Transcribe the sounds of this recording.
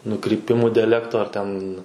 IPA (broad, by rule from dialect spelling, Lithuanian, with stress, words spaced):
nʊkrʲiːˈpʲɪmuː dʲɛˈlʲæːktoː ɐr ˈtʲɛn